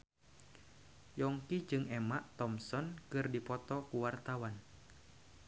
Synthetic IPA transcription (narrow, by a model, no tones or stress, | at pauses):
jɔŋkid͡ʒɨŋɛmaʔt̪ɔmsɔnkɨrdipɔt̪ɔkuwart̪awan